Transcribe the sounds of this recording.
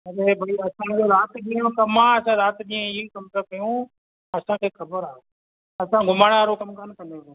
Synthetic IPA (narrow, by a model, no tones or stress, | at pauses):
ɐɾeːbʱaiɐsãd͡ʑoɾaːt̪ɗĩːkɐmãɐsãːɾaːt̪ɗiːẽiikɐmt̪əkɐjũ | ɐsãkʰeːxʰɐbəɾaːɦe | ɐsãɡʱʊmaːɽ̃ʋaːɾokɐmkɐnkɐ̃nd̪e